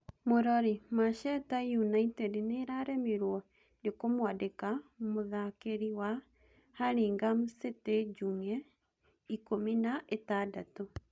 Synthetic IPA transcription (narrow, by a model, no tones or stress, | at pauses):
moɾɔɾimaʃɛtajunaitɛdneɾaɾɛmiɾwɔ | dekomwadekamoðakeɾiwa | haɾeːŋɡamuseted͡ʒuŋɛ | ikominaʔetadato